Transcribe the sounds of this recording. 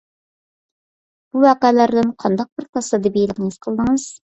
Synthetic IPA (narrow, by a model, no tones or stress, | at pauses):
b̥uwɑːqæːlæɾd̪ɪnqʰɑnd̪ɑq̚bɪɾt̪ʰɑsɑd̪ɨbejlˠɪkʲɪŋɪz̥qʰəlˠd̪ɨŋɨz̥